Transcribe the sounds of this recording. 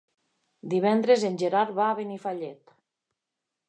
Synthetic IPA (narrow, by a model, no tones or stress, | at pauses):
d̪iβ̞ɛnd̪ɾezenʲʒeɾaɾβaːβenifaʎet̪